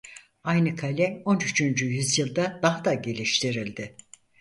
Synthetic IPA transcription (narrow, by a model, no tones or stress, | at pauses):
ajnɯkʰalʲɛo̞nyt͡ʃʰynd͡ʒyjyzjɯlˠd̪ad̪aɦad̪aɟe̞lʲiʃt̪ʰiɾilʲd̪ɪ